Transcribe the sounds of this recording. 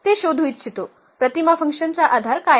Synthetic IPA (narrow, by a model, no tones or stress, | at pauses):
t̪eʃod̪ʱuit̪̚t͡ʃʰit̪o | pɾət̪imafə̃ŋkʃənt͡saʔad̪ʱaɾka